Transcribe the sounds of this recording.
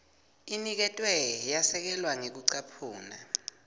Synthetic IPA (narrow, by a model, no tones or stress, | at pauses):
inik̬ɛtʼwɛjasɛk̬ɛlwaŋek̬uǀapʰuːna̰